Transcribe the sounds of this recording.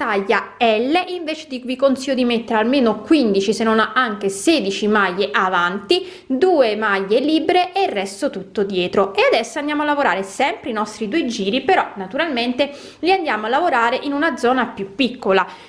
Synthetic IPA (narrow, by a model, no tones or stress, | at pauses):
t̪aʎːaɛlːeʔiɱveːt͡ʃe̥d̪ivikonsijod̪imet̪ːeɾalmeːnokwind̪it͡ʃisenːonaaŋk̟eseːd̪it͡ʃimajːeʔavant̪i | d̪uːemajːeliːbeɾeʔerːɛst̪ot̪ut̪ːod̪jɛːt̪ɾoʔead̪ɛsːoand̪jaːmoalːavoɾa̰ːɾesɛmpɾeinɔst̪ɾid̪uːed͡ʒiːɾipeɾɔnat̪uɾalment̪e | liand̪jaːmoalːavoɾaːɾeʔinunad̪zɔːnapjupːikːola